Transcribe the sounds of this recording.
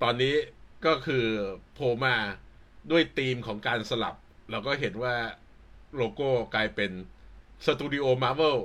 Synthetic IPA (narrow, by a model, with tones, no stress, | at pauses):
t̪ɔː˧nːiː˦˥kɔː˥˩kʰɯː˧pʰoː˧maː˧˥˩ | du˥˩əjt̪iː˧mkʰɔː˩˦ŋkaː˧nsa˧la̰˨˩p̚lɛː˦˥wkɔː˥˩ɦe˩˦nwaː˥˩ | loː˧koː˥˩klaː˧jpe˧nsa˧t̪uː˧ɾiː˧ʔoː˧maː˦˧˥we˥˩w